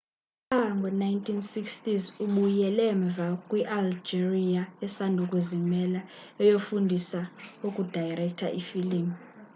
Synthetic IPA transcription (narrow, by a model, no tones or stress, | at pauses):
aŋɡʱɔnajntʰinsikstizuɓujɛlɛɱb̪vʱakʼwiʔald͡ʒiriaɛsandʱukʼuzimɛla | ɛjofundʱisaukʼud̥ʱajrɛk̚tʰa̰ʔifiliːm